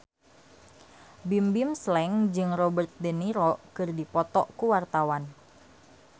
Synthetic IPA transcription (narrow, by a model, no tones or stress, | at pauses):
bimbimslɛŋd͡ʒɨŋrɔbərt̪̚dəniɾɔkɨrdipɔt̪ɔʔkuwart̪awan